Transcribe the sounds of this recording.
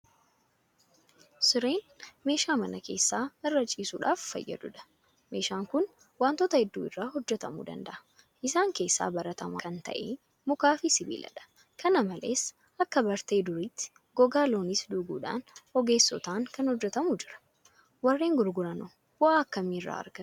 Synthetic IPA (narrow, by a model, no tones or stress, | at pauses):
sʊɾe̞ːn | me̞ːʃaːmɐnɐke̞ːsːaːɪrːɐt͡ʃʼiːsuːᶑaːfːɐ̰jːɐ̰d̪ʊᶑɐ̥ | me̞ːʃaːŋkʊn | waːnt̪ɔːt̪ɐhɛd̪ːṵːɪrːaːhɔd͡ʒːɛt̪ɐmṵːd̪ɐ̰nd̪ɐʔɐ̥ | ʔɪsaːŋke̞ːsːa̰ːbɐɾɐt̪ɐma̰ːkɐnt̪ɐ̰ʔḛː | mʊkaːfɪsɪbḭːlɐ̰ᶑɐ̥ | kʰɐnɐmɐlḛːs | ʔɐkːɐbɐɾt̪e̞ːd̪ʊɾiːt̪ːɪ̥ | ɡ̥ɔɡaːlo̞ːnɪsd̪ʊːɡuːᶑa̰ːnɔɡe̞ːsːɔ̰t̪aːŋkɐnhɔd͡ʒːɛt̪ɐmuːd͡ʒɪɾɐ̥ | wɐrːeːŋɡʊɾɡʊɾɐnɔ | ʊaːɐkːɐmiːrːa̰ːɐ̰ɾɡ̥ɐ